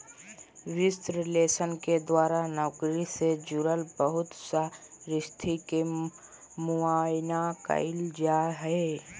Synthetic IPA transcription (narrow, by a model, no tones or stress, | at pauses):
ʋɪst̪ɾɪleːsənked̪waːɾanɔːkɾised͡ʒuɾəlbəɦʊt̪saɾɪst̪ʰike | mʊaːjnakə̰ɪld͡ʒaɦɛe